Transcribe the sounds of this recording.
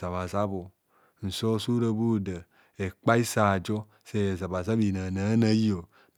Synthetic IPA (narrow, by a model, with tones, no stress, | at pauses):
a˨βa˨za˦bo˨ | n̩˨so˦su˦ɾo˦bu˦də˨ | e˨k͡pa˦i˦sa˨d͡ʒo˦ | se˦˨je˨za˨ba˨za˦bi˨na˨na˨˦na˦ji˦o˨